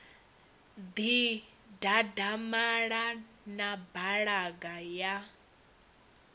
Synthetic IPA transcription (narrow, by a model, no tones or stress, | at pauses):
d̪i | dadamaɺa | nabaɺaɡaja